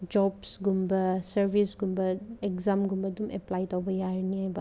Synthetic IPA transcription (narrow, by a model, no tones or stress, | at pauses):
d͡ʒɔbsɡumbɐsɐɾbʱisɡumbɐekzamɡumbɐdumeplajtɔwbɐjaɾniajbɐ